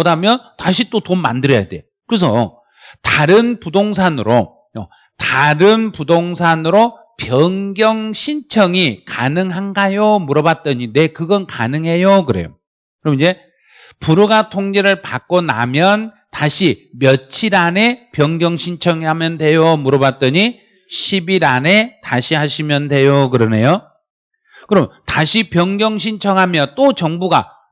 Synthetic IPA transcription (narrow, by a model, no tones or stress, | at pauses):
odamjʌntaɕʰit͈otomːa̰ndɯɾʌja̰de̞̰ | kɯɯs̬ʰʌ̰ | taɾɯnpudoŋsʰanɯɾo | ʌ̰ | taɾɯnpudoŋsʰanɯɾo | pjʌŋɡjʌŋɕʰint͡ɕʰʌŋikanɯŋɦanɡajomuɾʌbat̚t͈ʌɲine̞kɯɡʌnka̰nɯŋɦe̞jokɯɾe̞̰jo̰ | kɯɾʌmnid͡ʑe̞ | puɾoɡatʰoŋd͡ʑeɾɯɭpa̰k͈̚ona̰mjʌn | taɕʰimjʌt͡ɕʰiɾane̞pjʌŋɡjʌŋɕʰint͡ɕʰʌŋhamjʌndwe̞jomuɾʌβat̚t͈ʌɲi | ɕʰibiɾane̞taɕʰiɦaɕʰimjʌndwe̞jokɯɾʌne̞jo | kɯɾʌmtaɕʰipjʌŋɡjʌŋɕ̬ʰint͡ɕʰʌŋɦamjʌnt͈ot͡ɕʌŋbuɡa̰